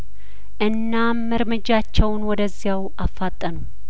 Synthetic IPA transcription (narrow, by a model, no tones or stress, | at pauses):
ʔɨnːamːəɾmɨd͡ʒat͡ʃːɛwnwɔd̪əzːijaw | afːat̪ʼːənu